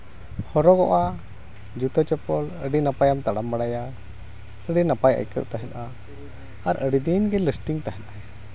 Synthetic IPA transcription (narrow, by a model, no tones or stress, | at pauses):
hɔɾɔɡɔʔa | d͡ʒut̪ət͡ʃɔpɔləɖinapajamt̪aɽambaɽaja | əɖinapajə̰jkə̰ʔ̪̚t̪aɦɛ̃t̪ʔaː | ɾəɽid̪inɡɛləsʈiŋt̪aɦɛ̃t̪a